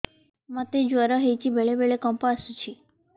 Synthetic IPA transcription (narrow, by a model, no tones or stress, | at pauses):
mət̪ed͡ʒəɾəɦet͡ʃibʱeɭebeɭekɔmpast͡ʃʰi